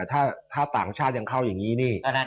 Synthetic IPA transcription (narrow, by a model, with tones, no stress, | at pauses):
t̪ʰaː˥˩t̪ʰaː˥˩t̪a̰ː˨˩ŋt͡ɕʰaː˥˩ja˧ŋkʰa˥˩wjaː˨˩ŋːiː˦˥niː˥˩ɔ˧na˦˥